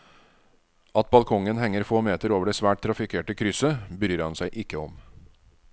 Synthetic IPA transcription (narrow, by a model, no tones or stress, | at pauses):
ɑt̪̚bɑlkʰɔŋənhɛŋːəɾfoːmeːt̪əɾoːʋəɖeːsʋæːʈ̚t̪ʰɾɑfɪkʰeːʈəkʰɾʏsəbəɾyːɾhɑnsæɪʔɪkːəɔm